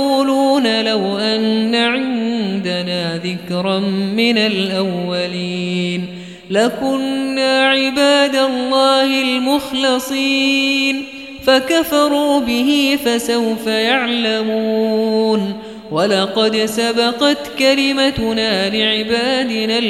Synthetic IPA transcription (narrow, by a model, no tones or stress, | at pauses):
uːluːnalawʔanːaʕɪnd̪anaːðɪkɾˤɑmɪnalʔawːaliːn | lakʊnːaːʕɪbaːd̪alˤːɑːhɪlmʊxlɪsˤiːn | fakafɑɾˤuːbɪɦifasawfajaʕlamuː | n | walɑqɑd̪sabɑqɑt̪kalɪmat̪naːlɪʕɪbaːd̪ɪna